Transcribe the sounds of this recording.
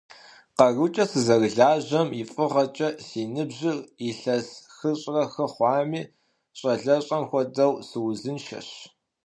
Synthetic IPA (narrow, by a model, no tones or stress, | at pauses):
qɐrut͡ʃʼɐsɨzɐɣɮaːʑɐmifʼɨʁɐt͡ʃʼɐsiːnɨbʑɪriɬɐsxɨɕʼrɐxɐχʷɑːmiː | ɕʼɐɮɐɕʼɐmxʷɔdɐwsɨwzɨnʃɐ̰ɕ